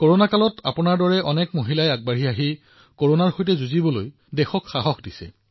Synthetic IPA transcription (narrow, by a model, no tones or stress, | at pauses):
koɹonakalɔtʰa̰pʊnaɹdɔɹɛʔɔnɛkmoɦilajaɡ̚baɹiaɦi | koɹonaɹxojtɛzuzibɔloj | dɛxɔkxaɦɔxdisɛ̰